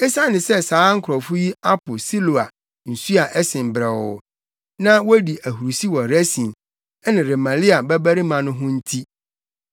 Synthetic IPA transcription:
ɛ˦sã˦nɪ̃˨sɛ˦saː˨˦ŋ̩˦kʰɔ˨fu˦ji˦a˦pʊ˨si˦lo˨a˨ | n̩˨su˦a˨ʔɛ˦sɪ̃˨m˨bɾɛ˨wɔ˨ | nã˦wɔ˦di˨ʔæ˨ɦu˨ɾu˨si˦wɔ˨ɾæ˦sĩ˨n | ɛ˦nɪ̃˨ɾe˨mã˨li˦a˨bɛ˦bæ˦ɾi˦mã˨nʊ̃˦ɦʊ̃˦n̩˦tʰi˦

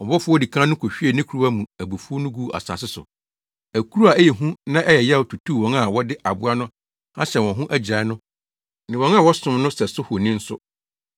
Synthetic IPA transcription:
ɔ˨bɔ˦fʊ˦ɔ˦di˨kʰãː˦n˦ʊ̃˦kʰo˨ɕᶣi˦ɛ˨nɪ̃˦kʰu˨ɾu˦a˦mũ˨æ˨bu˨fu˦ɔ˦nʊ̃˦ɡuː˦˨ʔa̰˨sã̰˨sɪ˦sʊ̰˨ | æ˨kʰu˦ɾu˦a˨ɛ˦jɛ˨ɦũ˦nã˦ʔɛ˦jɛ˨jɛ˦˨tʰu˨tʰuː˦˨wɔ̃˦ŋa˨wɔ˦dɪ˦ʔa˨bʊ˦a˦nʊ̃˦ | ã̰˦ɕɛ˨wɔ̃˨ɦʊ̃˦ʔæ˦d͡ʑa˨ɪ˦nʊ̃˦ | nɪ̃˨wɔ̃˦ŋa˦˨wɔ˦sʊ̃˨mnʊ̃˦sɛ˨sʊ˦hʊ˨nĩ˦n̩˦sʊ̰˦

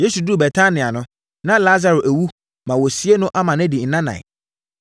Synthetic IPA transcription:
je˦su˨du˦˨bɛ˨tʰa˦nɪ̃˨a˨nʊ̃˦ | nã˦la˦za˨ɾʊ˨ʔæ˨wu˦ | mã˨wɔ˨si˦e˦nʊ̃˦ʔa˦mã˨nɛ̃˦di˨n̩˨nã˦nã̰˨ɪ̰˨

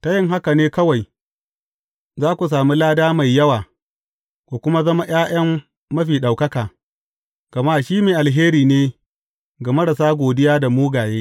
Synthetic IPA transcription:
ta˦jɪ˦ŋɦa˦ka˨neː˦kɐ˦wa˨j | zaː˦kʷu˨s̬aː˨mi˦laː˦daː˦ma˨jːɐ˦waː˨ | kʷo˨kʷʊ˦ma˦zɐ˦ma˦j̰aː˦j̰ɐ˦mː | ɐ˦ɸiː˨ɗa˨wkɐ˦kaː˨ | ɡ̥ɐ˨maː˦˨ʃiː˦meː˨ʔa˨lɦeː˦ɾiː˨neː˦ | ɡa˨mɐ˦ɽa˨saː˦ɡʷoː˨dɪ˦jaː˦da˨moː˦ɡaː˨jeː˦

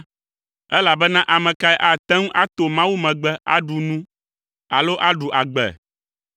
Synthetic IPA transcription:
ɛ˦la˨bɛ˦nã˦ʔa˨mɛ̃˨ka˦ɛ˦ʔa˦˨t̪ɛ̃˦ŋ̩˦ʔa˦t̪o˨mã˦wu˦mɛ̃˨ɡ͡bɛ˦ʔa̰˦ɖu˨nũ˦ | a̰˨lo˦ʔa˦ɖu˨ʔa˨ɡ͡bɛ̰˨

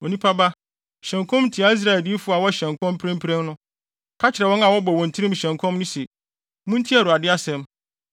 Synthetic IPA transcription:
o˨nĩ˦pʰa˦ba˦ | ɕɛ̃˨ŋkʰɔ̃˦mn̩˦tʰi˨a˦i˦s̬ɾa˦˨ɛ˨ldi˦fʊ˦a˨wɔ˦ɕɛ̃˨ŋ˨kʰɔ̃˦m˦pʰɪɾɛ̃˦mpʰɾɛ̃˦mnʊ̃˦ | kʰa˦t͡ɕʰɪ˨ɾɛ˨wɔ̃˦nã˨wɔ˦bɔ˨wɔ̃˨n˨tʰi˦ɾĩ˦m˨ɕɛ̃˨ŋkʰɔ̃˦mnʊ̃˦se˨ | mʊ̃˦n̩˦tʰi˦a˨ɾu˨a˨dɪ˦a˦sɛ̃˦m

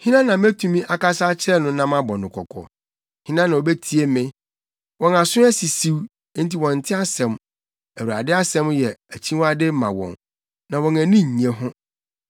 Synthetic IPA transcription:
hĩ˦nã˦nã˨m˦e˦tʰũ˨mĩ˦ʔa˨ka˦sa˦t͡ɕʰɪ˦ɾɛ˦nʊ̃˦nã˦mã˦bɔ˨nʊ̃˨kʰɔ̰˨kʰɔ̰˨ | hĩ˦nã˦nã˨o˨be˦tʰi˦e˦mɪ̃˦ | wɔ̃˨na˨sʊ̃˦æ˦si˨si˦w̃ | n˦ti˨wɔ̃˨n̩˨tʰɪ˦a˦sɛ̃˨m | æ˨wu˨ɾa̰˨dɪ˦a˦sɛ̃˦mjɛ˨æ˨t͡ɕʰĩ˦wa˦dɪ˦mã̰˨wɔ̰̃˨n | nã˨wɔ̃˨næ˨nĩ˦ɲ˨ẽ˨ɦʊ̃˦

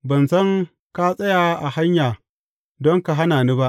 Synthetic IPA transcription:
bɐ˨nsɐ˦ŋ | ka˦sʼɐ˦jaː˨˦ʔa˨ha˦ɲjaː˨ | dɔ˦ŋka˨ɦa˦naː˨niː˦ba˦ʔ

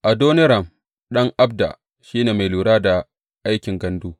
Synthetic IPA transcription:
ʔa˨doː˦nɪ˦ɾɐ˨m | ɗɐ˦ŋʔa˦b̚da̰˨ | ʃiː˦neː˨ma˨jluː˨ɽaː˦da˨ | ʔa˦jkʲɪ˨ŋɡɐ˦nduː˦

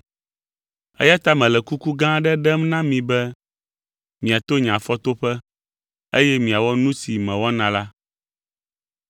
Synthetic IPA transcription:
ɛ̰˦ja˦t̪a˦mɛ̃˨lɛ˨ku˦ku˦ɡã˦ɖɛ˦ɖɛ˦mnã˦mĩ˨bɛ˦ | mĩ˨a˨t̪o˦ɲã˨fɔ˦t̪o˦ɸɛ˦ | e˦jɛ˦mĩ˨a˨wɔ˦nũ˦si˨mɛ̃˨wɔ˦nã˨la˦

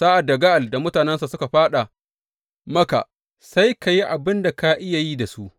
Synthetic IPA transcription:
saː˦ʔa˨da˨ɡa˦ʔa˨lda˨mʊ˦taː˨nɛ˦nsa˨sʊ˦ka˨ɸaː˦ɗa˨ | mɐ˦ka̰˨ | sa˦jka˨ji˦ʔa˨bɪ˦nda˨ka˦ʔɪ˦ja˨ji˦da˨su˦ʔ

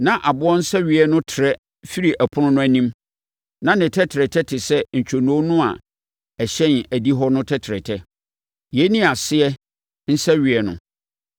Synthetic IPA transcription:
nã˨ʔa˨bʊ˦ɔ̃˦n̩˦sɛ˦ɥɪ˨ɛ˦nʊ̃˦tʰɪ˨ɾɛ˦ | fi˦ɾi˨ʔæ˨pʰʊ˦nʊ̃˦nʊ̃˦æ˦nĩ˦m | nã˦nɪ̃˨tʰɛ˦tʰɪ˨ɾɛ˨tʰɛ˦tʰɪ˨sɛ˦ɲ̩˨t͡ɕᶣʰo˨nõ˦nʊ̃˦a̰˨ | ɛ˨ɕɛ̃˦n˨æ˨di˦ɦɔ˦nʊ̃˦tʰɛ˦tʰɪ˨ɾɛ̰˨tʰɛ˦ | jɛ˦nĩ˦a˨sɪ˦ɛ˦ | n̩˦sɛ˦ɥɪ˨ɛ˨nʊ̰̃˨

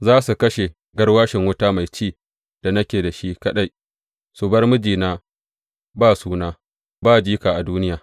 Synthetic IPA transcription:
zaː˦su˨kɐ˦ʃe˨ | ɡɐ˦rwaː˦ʃɪ˨ŋwʊ˦taː˦ma˨jt͡ʃiː˦˨ | d̥a˨nɐ˦kʲeː˨da˨ʃi˦kɐ˦ɗa˦j | su˨bɐ˦rmʊ˦d͡ʒiː˨naː˦ | baː˦˨suː˦naː˦ | baː˦˨d͡ʒiː˦kaː˨ʔa˨duː˦nɪ˦jaː˨

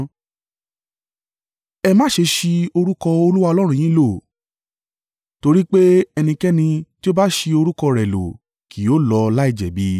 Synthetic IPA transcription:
ɛ˧mãː˦ʃe˧ʃi˧o˧ɾu˦kɔ˧o˧lu˦wa˧ɔ˧lɔ˦ɾ̃ũ˧˨jĩ˦lo˦˨ | to˧ɾi˦k͡pe˦ɛ˧nĩ˧kɛ˦nĩ˧ti˦o˦ba˦ʃi˧o˧ɾu˦kɔ˧ɾɛ˨lo̰˨ | ki˨o˨˦lɔ˧la˦i˦˨d͡ʒɛ̰˨bi˨˦

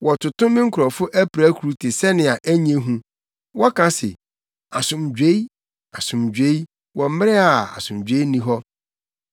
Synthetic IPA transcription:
wɔ˨tʰʊ˨tʊ̃˦mɪ̃˦ŋ̩˦kʰʊ˨ɾɔ˨fʊ˦ʔæ˦pʰɾæ˦kʰu˨ɾu˦tʰɪ˨sɛ˦nɪ̃˨a˨ʔæ˦ɲ˦ẽ˦ɦũ˦ | wɔ˦kʰa˦sɪ̰˨ | a˨sʊ̃˨md͡ʑᶣe˦i˦ | a˨sʊ̃˨md͡ʑᶣe˦i˦ | wɔ̃˨m̩˦mɪ˦ɾɪ˦a˨a̰˨sʊ̃˨md͡ʑᶣe˦nĩ˦ɦɔ˦

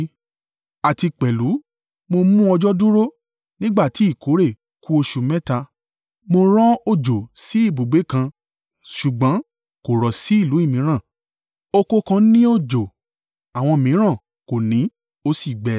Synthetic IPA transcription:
a˨ti˧k͡pɛ˨lu˨˦ | mo˧mũ˦ɔ˧d͡ʒɔ˦du˦ɾo˦ | nĩ˦ɡ͡ba˦˨ti˨˦i˦˨kʰo˨˦ɾe˦˨ | ku˦o˧ʃu˨mɛ̃˦ta˧ | mo˧ɾ̃ɔ̃˦o˦˨d͡ʒo˨si˨˦i˦˨bo˨ɡ͡be˨˦kã˧ | ʃu˨ɡ͡bɔ̃˨˦ | ko˨ɾɔ˨si˨˦i˦˨lu˨˦i˦˨mĩ˨˦ɾ̃ã˦˨ | o˧ko˧kã˧˦nĩ˦o˦d͡ʒo˨ | a˨w̃ɔ̃˧˨mĩ˨˦ɾ̃ã˦˨ | ko˨nĩ˨˦ | o˧˦si˦˨ɡ͡bɛ˨

